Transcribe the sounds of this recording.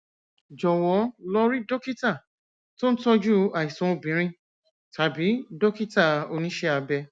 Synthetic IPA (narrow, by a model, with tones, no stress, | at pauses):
d͡ʒɔ˨wɔ˨˦lɔ˦ɾi˦do˦ki˦ta˦˨ | to˦n̩˦tɔ˦d͡ʒu˦a˨i˨sũ˨o˧˨bĩ˨˦ɾ̃ĩ˦˨ | ta˨bi˨˦do˦ki˦ta˦˨o˧nĩ˦ʃɛ˦a˧bɛ˧